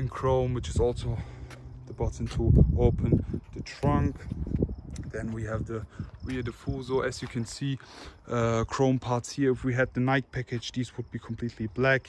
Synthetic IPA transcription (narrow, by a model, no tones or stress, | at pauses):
ɪ̃nkʰɹ̥õʊ̃nwɪt͡ʃɪzɔlˠsoʊðəbɑtə̃ntʰuoʊpʰə̃nðətʰɹ̥ʌ̃ŋk | ðɨ̃nwiəvðəwiəðəfuːlˠzɔʔɛsjɨkʰɨ̃nsiː | əkʰɹ̥õʊ̃mpʰɑɹtshiəɪfwiəd̪̚ðənaɪt̚pʰækɪ̥d͡ʒðizwəd̚bikʰə̃mpʰl̥iˑtʰliblæk